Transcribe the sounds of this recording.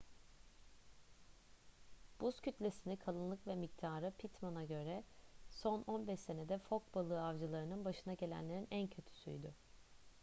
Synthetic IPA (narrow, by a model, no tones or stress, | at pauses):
b̥uscʰyt̪lʲe̞sinikʰalˠɯnlˠɯkvɛmic̚t̪ʰaːɾɯpʰit̪manaɟø̞ɾɛso̞nonbɛʃse̞ne̞d̪ɛfo̞k̚balˠɯːavd͡ʒɯlˠaɾɯnɯnbaʃɯnaɟe̞lʲæ̰nlʲe̞ɾinæncʰøt̪ʰy̥sy̰jd̪ʏ